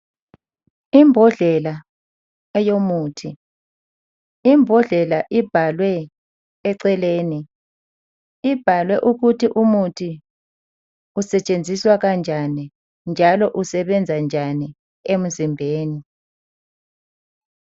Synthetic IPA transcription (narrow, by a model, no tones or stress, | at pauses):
imbʱɔɮɛla | ɛjomuːtʰi | imbʱɔɮɛlaʔib̥ʱalwɛː | ǀɛleːni | ib̥ʱalwɛʔuɣutʰiʔumutʰi | usɛt͡ʃʼend͡zʱiswaɣand͡ʒʱani | nd͡ʒʱalɔʔusɛβɛnd͡zʱand͡ʒʱani | em̩zimbʱeːni